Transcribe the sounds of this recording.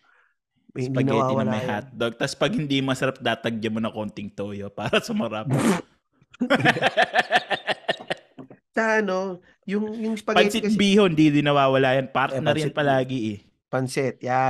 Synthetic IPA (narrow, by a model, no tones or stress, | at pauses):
sɡpɐnɛːwaɪwnɐmɐhat̪̚d̪oɡ̚t̪ɐspɐɡ̚hɪnd̪imɐsɐɾap̚d̪aːt̪ɐɡ̚d͡ʒɐmonɐkoːnt̪ɪŋt̪oʔjopaːɾɐsʊmɐɾap̚ | taɐno | jʊŋjʊŋspɐɡpɐnsɪbiːhoɪnd̪id̪ɪnɐwaːwɐlaːjɐnpaɾt̪nɐɾɪnpɐlaːɡɪʔɛ | pɐnsɛt̪̚ja